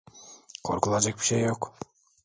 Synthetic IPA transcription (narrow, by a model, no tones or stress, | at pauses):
qʰo̰ɾkulˠɑd͡ʒek̚ʲpi̥ʃejoq